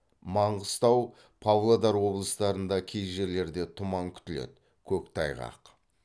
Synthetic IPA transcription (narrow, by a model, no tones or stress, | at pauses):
mɑɴʁəst̪ɑw | pʰɑvlˠad̪ɑɾwo̞blˠəst̪ɑɾənd̪ɑkʲʰejʒe̞ɾle̞ɾd̪e̞t̪ʰʊmɑŋkʲʰʏ̥t̪ɪlḛd̪ɪ | kʲʰɵkt̪ʰɑjʁɑ̰q